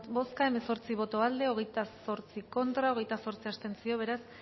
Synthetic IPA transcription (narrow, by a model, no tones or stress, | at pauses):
bo̞skae̞me̞so̞ɾt͡siβ̞o̞t̪o̞ald̪e̞o̞ɣ̞e̞jt̪aso̞ɾt͡siko̞nt̪ɾao̞ɣ̞e̞jt̪aso̞ɾt͡siast̪e̞nt͡sio̞β̞e̞ɾas